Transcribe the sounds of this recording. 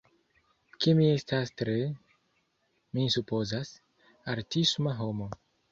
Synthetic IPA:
kemie̞stastɾe̞ | misupo̞zas | aɾtismaɦo̞mo̞

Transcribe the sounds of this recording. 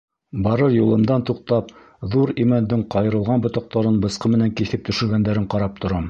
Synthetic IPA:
bɑɾɤɾjulˠɤ̆md̪ɑnt̪uq̚t̪ɑp̚ | ðuɾimænd̪ɘɴqɑjɤ̆ɾɤ̆lˠʁɑnbŏt̪ɑq̚t̪ɑɾɤnbɤ̆sqɤmɘ̆næŋkiθɘp̚t̪ɵ̆ʃɘ̆ɾɡænd̪æɾɘɴqɑɾɑp̚t̪ŏɾɑm

